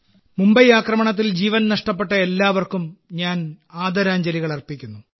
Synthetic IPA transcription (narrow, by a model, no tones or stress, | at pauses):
mumbɐjaːkrɐmɐɳɐt̪̬ːild͡ʑiːʋɐnnɐʂʈɐp̬ːeʈːɐe̞lːaːʋɐrkumɲaːn | aːd̪ɐɾaːɲd͡ʑɐliɣɐɭɐrpikʲːunːu